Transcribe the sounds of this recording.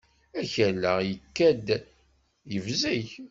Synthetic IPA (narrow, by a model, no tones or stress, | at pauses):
æçəlːəʁjəkːæd̪ | jəvzæç